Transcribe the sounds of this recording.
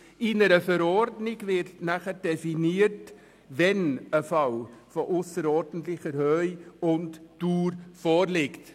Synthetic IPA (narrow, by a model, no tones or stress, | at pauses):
ɪnəɾəfəɾɔɾdnɪɡvɪɾtnæχəd̥ɛfiniːəɾt | vɛnəfɑlfɔʔʊsəɾɔɾdən̩tlɪçəɾhøʏʊntd̥uːɾfɔːɾlɪkt